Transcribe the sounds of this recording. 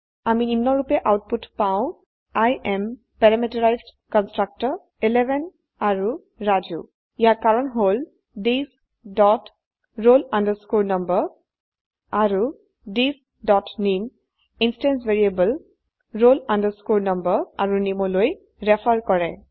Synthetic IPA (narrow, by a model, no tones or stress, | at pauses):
aminimnɔɹupɛʔawt̚putpaʊ̃ | ajʔɛm | pɛɹamitɔɹajzd | kɔnstɹak̚tɔɹ | ilɛbʱɛn | aɹu | ɹad͡ʒṵ | ijaɹkaɹɔnɦol | dis | dɔt | ɹolandəskoɹnɔmbəɹ | aɹu | dis | dɔtnim | instɛns̬veɹiebəl | ɹolandəɹskoɹnɔmbəɹaɹunimɔloj | ɹɛpʰaɹkɔɹɛ